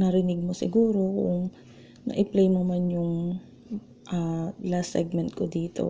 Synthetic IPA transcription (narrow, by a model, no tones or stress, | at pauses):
nɐɾɪnɪɡ̚mosɪ̰ɡuːɾo̞kʊ̰ŋ | nɐ̰ʔɪplejmomanjʊŋ | ʔalasɛɡ̚mɛnt̪̚kod̪iːt̪o̞̰